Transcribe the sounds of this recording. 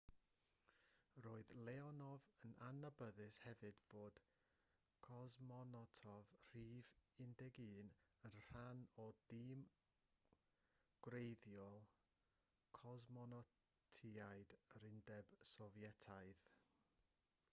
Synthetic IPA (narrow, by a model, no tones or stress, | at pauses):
roːɨðlˠɛɔnɔvənanabəðɨshɛvɨdvoːd̥ | kʰɔzmɔnɔtʰɔvr̥iːvɪndɛɡɨːnənr̥anɔd̥ɪːm | ɡ̥wrejðjɔlˠ | kʰɔzmɔnɔ | tʰiaɨdəɾɪndɛb̥sɔvjɛtʰaɨð